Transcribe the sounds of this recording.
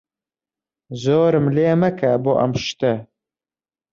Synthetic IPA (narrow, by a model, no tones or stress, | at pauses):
zoːɾɨmleːmɐkʰɐboʔɐ̰mʃt̪ɐ